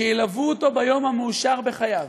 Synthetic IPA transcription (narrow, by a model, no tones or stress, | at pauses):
ejilavuːt̪o̞bajo̞mhameuʃaʁbeχajav